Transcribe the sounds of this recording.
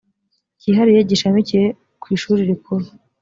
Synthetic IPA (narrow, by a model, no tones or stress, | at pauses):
ciɦaɾije̞ɟiʃamicije | kwiːʃuːɾiɾikʰuɾu